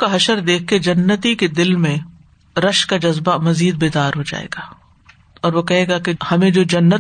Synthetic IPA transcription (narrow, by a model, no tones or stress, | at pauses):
kaɦɐʃəɾd̪eːk̚ʰked͡ʒɐnːət̪iked̪ɪlmẽ | ɾɐʃkad͡ʒɐzbamɐziːd̪̚beːd̪aːɾɦod͡ʒa̰ːḛːɡaː | ɔːɾʋokɛɦeːɡakehɐmẽd͡ʒoːd͡ʒɐnːət̪